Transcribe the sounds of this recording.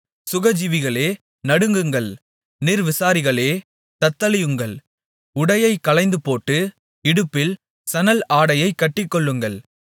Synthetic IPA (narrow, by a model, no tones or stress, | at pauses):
sʊɣɐd͡ʒiʋɪɣɐɭeː | nɐɽɯŋɡɯŋɡɐɭ | nɪɾʋɪsaːɾɪɣɐɭeː | t̪ɐt̪ːɐlɪjɯŋɡɐɭ | ʊɽɐjɐɪkːɐlɐɪnd̪ɯpoːʈːɯ | ɪɽɯpːɪl | sɐnɐlaːɽɐjɐɪkːɐʈːɪkːɔɭːɯŋɡɐɭ